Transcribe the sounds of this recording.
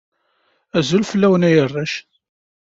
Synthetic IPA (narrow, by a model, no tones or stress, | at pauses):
æzulfəlːæwənæjərˤːaʃ